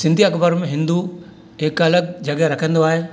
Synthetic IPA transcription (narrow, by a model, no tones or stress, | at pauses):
sɪ̃nd̪ʱiɐkbəɾmẽɦɪ̃nd̪u | ekɐləɡ̚d͡ʒɐɡjaɾɐkʰə̃nd̪oaːɦe